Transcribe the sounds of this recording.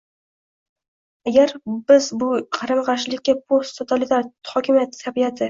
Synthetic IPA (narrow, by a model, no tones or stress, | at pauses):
aɡʲaɾbɪzbʊqʰɑɾɨmqɑɾʃlɪkʲːapʰost̪t̪ʰot̪ʰalɪt̪ʰaɾhɒkʲʰɪmjat̪t̪ʰːabijat̪ʰɪ